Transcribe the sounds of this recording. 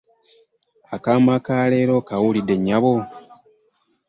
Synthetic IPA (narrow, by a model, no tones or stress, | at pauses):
akaːmakaːle̞ːɾo̞kawulideɲːaβo